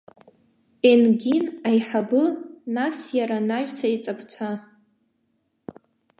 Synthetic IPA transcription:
enɡʲinajħabɨnasjaɾanaʒt͡sʷʰait͡sʼapʰt͡sʷʰa

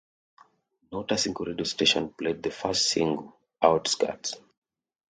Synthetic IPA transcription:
nɔtəsĩŋkɹediosteʃɔ̃npled̚ðəfastsḭ̃ŋɡl | aʊtska̰ts

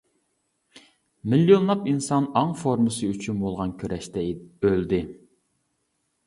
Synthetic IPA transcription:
miljonlˠɑpinsɑnɑŋfoɾmɨsɨyt͡ʃʰynbolˠʁɑnkʲʰøɾʔɛʃt̪ɛøld̪ɪ

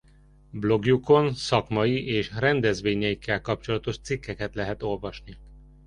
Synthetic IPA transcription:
blo̞ɡjuko̞nsɒkmɒjiʔeːʃrɛnd̪ɛzʋeːɲɛjikʰːɛlkɒp̚t͡ʃo̞lɒt̪o̞ʃt̪sikːɛkɛt̪lɛɦɛt̪o̞lvɒʃni

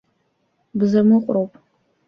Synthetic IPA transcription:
bzɐmɨqʷʼroːpʰʼ

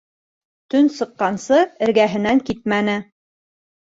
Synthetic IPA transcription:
t̪ɵnsɤ̆qːɑnsɤɘ̆ɾɡæɦɘ̆næŋkit̪̚mænɘ

